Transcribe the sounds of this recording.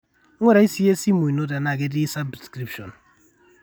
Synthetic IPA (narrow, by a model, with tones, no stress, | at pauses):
wɛ˦ɾa˨˦i˦si˦je˦si˦mo˨i˨no˦da˨na˨ɡe˦di˦sa˦bskɾi˦pʃɔ˨n